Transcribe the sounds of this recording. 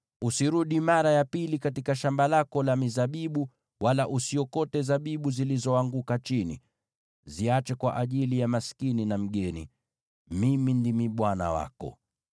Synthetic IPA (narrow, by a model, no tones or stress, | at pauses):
usiɾuɗimaɾajapilikatikaʃambalakɔlamizaɓiɓu | walaʔusiɔkɔtɛzaɓiɓuzilizɔwaŋɡukat͡ʃinḭ | ziat͡ʃɛkwa̰ʔaʄilijamasi̥kininam̩ɠɛnḭ | mimindimiɓwana̰wa̰kɔ̰